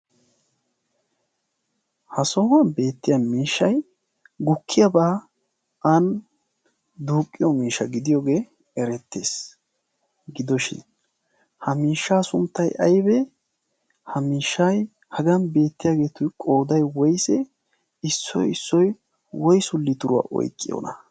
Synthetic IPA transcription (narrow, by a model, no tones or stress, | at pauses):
hɐsɔhɐnbe̞ːt̪ːɪjɐmiːʃːɐj | ɡʊkʰːɪjɐbaː | ɐn | d̪uːkʼːɪjɔmiːʃːɐɡɪd̪ɪjoːɡe̞ː | ɛɾɛt̪ːe̞̰ːs | ɡɪd̪ɔʃɪ̰n | hɐmiːʃːaːsʊnt̪ːɐjʔɐ̰jbɛ | hɐmiːʃːɐj | hɐɡɐnbe̞ːt̪ːɪjaːɡe̞ːt̪ʊkʼoːd̪ɐjwɔjsɛ | ɪsːɔ̰jɪsːɔj | wɔjsʊlːɪt̪ʊɾʊwa̰ʔɔ̰jkʼːɪ̰jo̰nɐ